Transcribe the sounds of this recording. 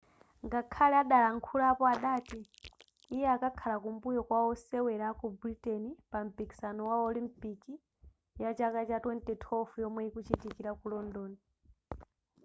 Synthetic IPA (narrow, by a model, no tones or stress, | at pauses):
ŋɡakʰalɛaɗalaŋkʰulaːpɔaɗaːti | ijɛakakʰalakumbujɔkwaɔsɛwɛɾaːkubuɾitɛnipam̩piki̥sanɔwaɔlimpiki | jat͡ʃakat͡ʃatwɛntɛtʰɔfujɔmwɛikut͡ʃitikiɾakulɔndɔːni